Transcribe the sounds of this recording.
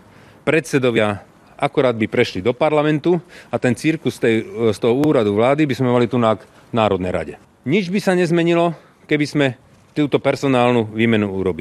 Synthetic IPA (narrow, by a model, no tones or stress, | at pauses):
pɾɛt̪sɛd̪ɔʋɪa | akuɾaːd̪̚bipɾɛʃlid̪ɔpaɾlamɛnt̪uat̪ɛnt͡siɾkust̪ɛst̪ɔɦɔuːɾad̪uʋlaːd̪ibizmɛmalit̪unaɡ | naːɾɔd̪nɛ̰jɾa̰ɟɛ | ɲid͡ʒbisaɲɛzmɛɲilɔ | kɛbizmɛ | t̪uːt̪ɔpɛɾsɔnaːlnuʋiːmɛnuuɾɔbil